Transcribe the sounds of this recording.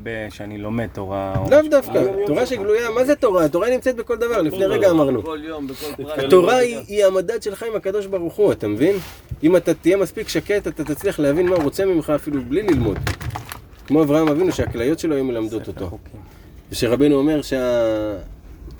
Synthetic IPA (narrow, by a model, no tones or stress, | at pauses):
beʃeanilomet̪oʁa̰lavd̪afkat̪o̞ʁaʃeɡlujamazet̪o̞ʁaat̪o̞ʁainimt͡set̪be̞ko̞ld̪avaʁlifneʁeɡaːmaʁnu | hat̪o̞ʁaiiamad̪ad̪ʃe̞lχaimakad̪o̞ʃbaʁuχuat̪amevin | imat̪at̪ije̞maspikʃake̞t̪at̪at̪at͡sliaχleavinmauʁo̞t͡se̞mimχaːfilublililmo̞̰d̪ | kmo̞avʁahamavinuʃeaklajo̞t̪ʃelo̞ajume̞lamd̪ot̪ot̪o | veʃeʁabe̞jnuome̞ʁʃea